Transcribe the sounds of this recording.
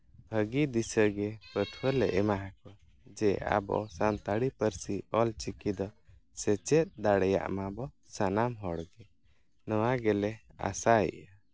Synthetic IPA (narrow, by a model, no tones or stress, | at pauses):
bʱəɡid̪isəɡɛpət̪ʰwəlɛʔɛmaɦakɔ | d͡ʒɛa̰bɔ̰sant̪aɽipəɾsiɔlt͡ʃikid̪ɔsɛt͡ʃɛt̪̚d̪aɽɛja̰ʔmabɔ | sanamɦɔɽɡɛ | nɔwaɡɛlɛa̰saɛ̰ʔa